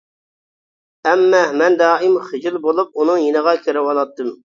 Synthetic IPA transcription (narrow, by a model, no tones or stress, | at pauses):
ɛmːɛmɛnd̪ɑːʔɪmχɪd͡ʒɪlˠbolˠup̚unɨŋjinəʁɑkʲʰøɾɪwɑnɑt̪ːɨm